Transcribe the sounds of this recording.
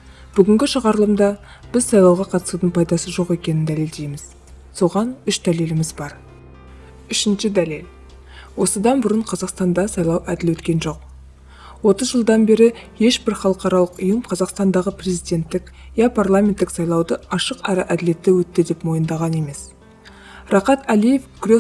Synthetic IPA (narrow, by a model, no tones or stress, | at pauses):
b̥ʏɡʲɪŋɡʲɪʃəʁɑɾlˠəmd̪ɑb̥ɪzsɑjlˠɑwʁɑqʰɑt̪ə̥sud̪əɴpʰɑjd̪ɑsəʒo̞qe̞kʲe̞nɪnd̪æle̞ld̪e̞jmɪz̥ | so̞ʁɑnʏʃd̪æle̞lɪmɪzbɑɾ | ʏʃɪnʃɪd̪ælel | wo̞səd̪ɑnbʊɾəɴqʰɑzɑqst̪ɑnd̪ɑsɑjlˠɑwʔæd̪ɪlwɵt̪kʲe̞nʒo̞q̚ | wo̞t̪əzʒəlˠd̪ɑnbe̞ɾɪje̞ʃbɪɾχɑlˠəqɑɾɑlˠəqʊjəmqʰɑzɑqst̪ɑnd̪ɑʁəpre̞zijd̪ʲe̞nt̪ːɪkjɑpʰɑrlˠamʲe̞nt̪ːɪksɑjlˠɑwd̪əɑʃəqɑɾɑʔæd̪ɪle̞t̪ːɪwɵt̪ːɪd̪e̞pmo̞jənd̪ɑʁɑne̞me̞s | rɑqɑt̪ælije̞fɡ̥ʲʏɾe